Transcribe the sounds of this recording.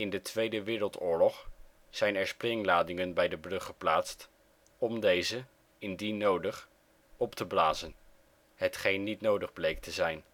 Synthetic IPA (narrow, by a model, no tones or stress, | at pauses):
ɪndətʋejdəʋɪːɾəlˠtʊːɹlɔχ | z̥ɛjnɛɹsprɪŋlaːdɪŋənbɛjdəbrɵχəplaːtst | ɔmdejzə | ɪndinowdəχ | ɔptəblaːzən | ɦətχejnːitnowdəχblejk̚təzɛjn